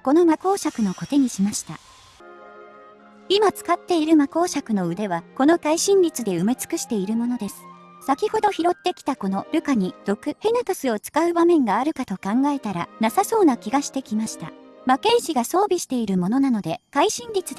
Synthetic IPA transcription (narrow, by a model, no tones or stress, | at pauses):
ko̞no̞mako̞ːɕakɯ̟no̞ko̞t̪e̞ɲ̟iɕimaɕi̥t̪a̰ | imat͡sɨ̥kat̪ːe̞iɾɯ̟mako̞ːɕakɯ̟no̞ɯ̟d̪e̞βako̞no̞kaiɕĩɲɾʲit͡sɨd̪e̞ɯ̟me̞t͡sɨ̥kɯ̟ɕi̥t̪e̞iɾɯ̟mo̞no̞d̪e̞sɨ̥ | sakʲiho̞d̪o̞çiɾo̞t̪ːe̞kʲi̥t̪ako̞no̞ɾɯ̟kaɲ̟id̪̥o̞kɯ̟he̞nat̪asɨo̞t͡sɨ̥kaɯ̟bamẽ̞ŋɡaːɾɯ̟kat̪o̞kãŋɡae̞t̪aɾa̰nasaso̞ːnakʲiɡaɕi̥t̪e̞kʲimaɕi̥t̪a̰make̞ːʑiɡaso̞ːbʲiɕi̥t̪e̞iɾɯ̟mo̞no̞nano̞d̪e̞kaiɕĩɲɾʲit͡sɨd̪